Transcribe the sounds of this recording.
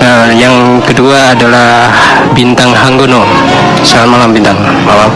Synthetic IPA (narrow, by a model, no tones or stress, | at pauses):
ə | jaŋ | kəduaːdala | h | bint̪aŋɦaŋɡuno | salanmalambint̪aŋ | malam